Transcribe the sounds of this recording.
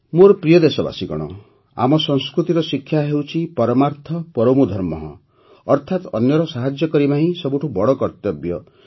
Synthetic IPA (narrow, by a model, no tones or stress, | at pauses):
moɾpɾijɔd̪esɔba̰siɡɔ̰ɽ̃ɔ̰ | a̰mɔsɔŋskɾut̪iɾɔsikʰːjaɦewt͡ʃʰipɔɾɔmaɾt̪ʰɔpɔɾɔmud̪ʱɔɾmɔɦɔ̰̃ | ɔɾt̪ʰat̪ɔ̰njɔɾɔsaɦad͡ʒjɔkɔɾipaɦĩsɔbuʈʰubɔɽɔkɔɾt̪jɔbjɔ